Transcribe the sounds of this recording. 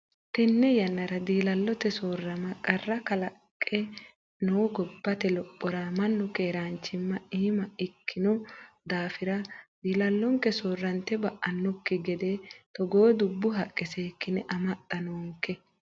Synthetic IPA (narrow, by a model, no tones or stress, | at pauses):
t̪ɛnːɛjɐnːɐɾɐd̪iːlɐlːɔt̪ɛsoːrːɐmɐkʼɐrːɐkɐlɐkʼːɛ | nowɡɔbːɐt̪ɛlɔpʼːɔɾamɐnːʊkeːɾaːnt͡ʃːɪmːɐiːmɐɪkʰːɪnɔ | d̪aːfɪɾɐd̪iːlɐlːɔŋkɛsoːrːɐnt̪ɛbɐʔɐnːɔkːɪɡɛd̪et̪ɔɡoːd̪ʊbːʊɦɐkʼːɛseːkːɪnɛʔɐmɐt̪ʼːɐnoːŋkːɛ